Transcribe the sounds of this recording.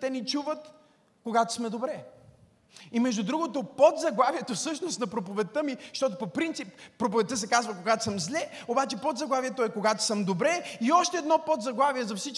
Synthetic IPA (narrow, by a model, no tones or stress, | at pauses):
t̪ɛnit͡ʃuvət̪ | koɡat̪o̥smɛd̪obɾɛ | imɛʒd̪ʊd̪ɾuɡot̪opod̪zɐɡlˠaviɛt̪ofsɤʃnosnɐpɾopovɛt̪ːəmiʃt̪ɔt̪̬opopɾint̪sipːɾop̬ovɛt̪ːəs̬ɛkazvəkoɡat̪o̥səmzlʲɛobat͡ʃɛpod̪zɐɡlˠaviɛt̪oɛkoɡat̪o̥sɤmd̪obɾɛiɔʃt̪ɛːd̪nɔpod̪zɐɡlˠaviɛzɐfsit͡ʃ